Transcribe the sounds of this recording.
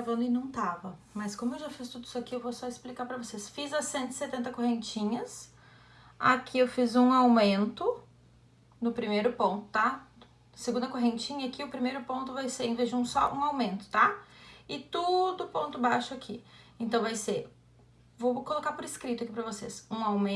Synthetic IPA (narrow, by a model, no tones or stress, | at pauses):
ɡavɐ̃nd̪ʊɪnɐ̃w̃t̪avɐmɐskõmʊewʒafist̪ud̪ʊisʊakiewvosɔɪsplikaɾpɾɐvosesfizɐsẽnt̪ʊɪ̥set̪ẽnt̪ɐkoɦẽnt͡ʃĩɲɐs | a̰kʰiewfizũawmẽnt̪ʊ | nʊpɾimejɾʊpõnt̪ʊ̥t̪a | seɡũd̪ɐkoɦẽnt͡ʃĩɲɐakiʊpɾimejɾʊpõnt̪ʊvajseẽvezd͡ʒɪũsɔ̰ʔũawmẽnt̪ʊ̥t̪aɪt̪ud̪ʊpõnt̪ʊbaʃʊakʰiẽnt̪ɐ̃w̃vajse | vowkolokaɾpʊɾɪskɾit̪ʊakipɾɐvosḛsũawmẽ